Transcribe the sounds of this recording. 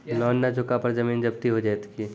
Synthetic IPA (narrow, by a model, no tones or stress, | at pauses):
lɔːnːad͡ʒʱʊkapɐɾd͡ʒɐmiːnd͡ʒɐb̚t̪iɦod͡ʒaːjt̪ki